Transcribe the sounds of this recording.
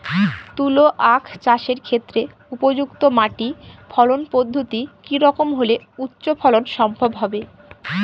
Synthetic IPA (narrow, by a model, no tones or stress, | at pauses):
t̪uloʔakʰt͡ɕaʃeɾkʰet̪ːɾe | upod͡ʑukt̪omaʈifʰɔlonpod̪ʱːot̪ikiɾɔkomɦole | utːɕopʰɔlonʃɔmbʱobɦɔbe